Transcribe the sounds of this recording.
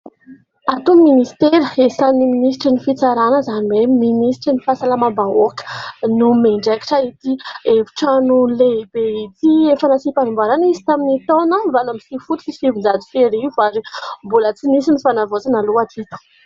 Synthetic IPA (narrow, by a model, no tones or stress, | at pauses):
at̪uminist̪eɾesaniminis̬ʈ͡ʂinifit͡saɾanəzaniweminisi̥ʈ͡ʂinifasalamambaokə̥numeɳɖ͡ʐaki̥ʈ͡ʂait̪ievi̥ʈ͡ʂanulebeit̪iefanasipanumbaɾanizi̥t̪aminit̪onavanamisifut̪u̥fisivind͡zad͡z̪u̥feɾiuvaɾimbulət͡sinisinifanavot͡sanaluat̪ʰit̪u̥